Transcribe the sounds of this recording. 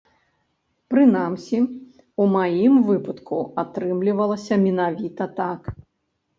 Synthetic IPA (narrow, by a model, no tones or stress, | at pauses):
pɾɨnamsʲi | umajimvɨpɐt̪kuat̪ɾɨmlʲivɐlˠɐsʲɐmʲinavʲit̪ɐt̪ak